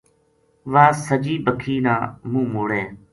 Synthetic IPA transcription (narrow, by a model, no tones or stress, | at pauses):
ʋaːsəd͡ʒiːbəkʰiːnãːmũːmoːɽẽː